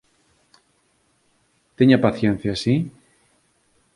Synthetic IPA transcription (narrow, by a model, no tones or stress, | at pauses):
t̪eɲapaθjen̟θjasi